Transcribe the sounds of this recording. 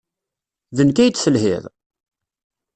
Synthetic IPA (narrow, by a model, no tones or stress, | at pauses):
ðənkæjət͡s̪ːsəlhɪ̰ðˤ